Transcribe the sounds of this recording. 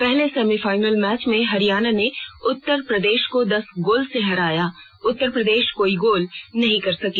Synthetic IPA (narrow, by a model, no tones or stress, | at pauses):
pɛɦlesɛːmifaːɪnəlmɛːt͡ʃmẽɦɐɾijaːnaneʊt̪ːəɾpɾɐd̪eːʃkod̪ɐsɡoːlseɦɐɾaːjaː | ʊt̪ːəɾpɾɐd̪eːʃkoːiɡoːlnɐɦĩkɐɾsɐkiː